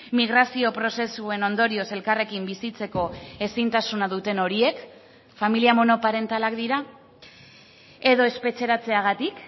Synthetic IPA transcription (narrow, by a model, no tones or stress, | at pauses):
miɣɾasio̞pɾo̞se̞sue̞no̞nd̪o̞ɾio̞se̞lkare̞kimbisit͡se̞ko̞e̞sint̪asunaðut̪e̞no̞ɾie̞k | familiamo̞no̞paɾe̞nt̪alakd̪iɾa | e̞ðo̞e̞spe̞t͡se̞ɾat͡se̞aɣ̞at̪ik